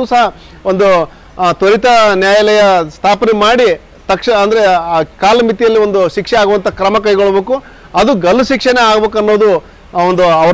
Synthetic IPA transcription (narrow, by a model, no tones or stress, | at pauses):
usɐɦɐ | ond̪u | t̪oɾit̪ɐnjaːjɐlɛjɐst̪ʰaːpɐnemaːɽi | t̪ɐkʂɐɐnd̪ɐɾekaːlɐmit̪ijɐlːiʋo̞nd̪uʃikʂɛaːɡuʋɐnt̪ʰɐkɾɐmɐkɐjɡoɭɐbe̞ːku | ɐd̪uɡɐlːuʃikʂɐneaːɡbe̞ːkuɐnːo̞ːd̪u | ond̪uɐɐ